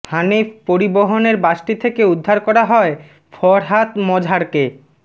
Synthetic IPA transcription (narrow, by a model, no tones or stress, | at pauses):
hanepoɾiboɦoneɾbaʃʈit̪ʰekeud̪ʱːaɾkɔɾaɦɔe | fʰɔɾɦat̪mɔd͡ʑʱaɾke